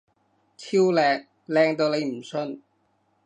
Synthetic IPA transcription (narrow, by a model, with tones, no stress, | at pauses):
t͡sʰiː˥wlɛː˧ŋ | lɛː˧ŋt̪̬o˧wle˨˧jm̩˨˩sɵ˧n